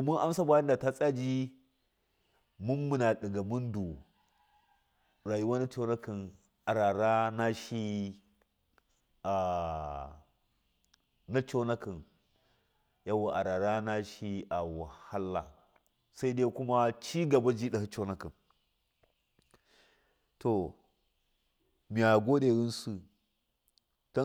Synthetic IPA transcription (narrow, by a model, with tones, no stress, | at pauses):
do˨mu˦nʔa˦msa˦ba˦ji˦nda˨ta˦t͡sʼa˦d͡ʒi˦ | mu˦nmu˨na˨ɗi˨ɡa˨mu˦ndu˨ | ɾa˨ju˦wa˦na˦t͡ʃo˦na˦ki˨n | a˨ɾa˨ɾa˦na˦ʃi˦ | a˨ | na˦t͡ʃo˦na˦ki˨n | ja˦wa˨ʔa˨ɾa˨ɾa˦na˦ʃi˦ʔa˨wa˨ha˦lːa˨ | sa˦i˦da˦ku˦ma˦t͡ʃi˦ɡa˨ba˦d͡ʒi˦ɗa˨hi˦t͡ʃo˦na˦ki˨n | to˨ | mi˨a˨ɡo˦ɗe˨ɾi˦nsu˨ | ta˦